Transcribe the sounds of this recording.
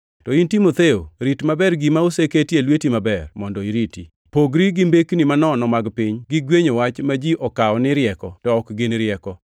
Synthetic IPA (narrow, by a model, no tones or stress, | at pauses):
tɔintimot̪eoɾitmabɛrɡimaoseketjelwetimabɛrmɔndɔiɾiti | poɡɾiɡɪmbeknimanɔnɔmaɡpɪɲɡɪɡweɲowat͡ʃmad͡ʒiʔɔkaɔnɪɾjɛkɔtɔɔkɡɪnɾɪɛkɔ